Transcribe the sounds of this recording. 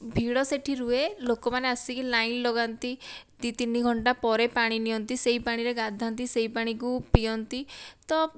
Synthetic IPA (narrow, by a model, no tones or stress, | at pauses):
bʱiɽɔseʈʰiɾuelokɔmaneəsikilainlɔɡant̪it̪it̪in̤iɡʱɔɳʈapɔɾepaɽ̃iniɔnt̪iseɦipaɽ̃iɾeɡad̪ʱant̪̬iseipaɽ̃ikupiɔnt̪it̪ɔ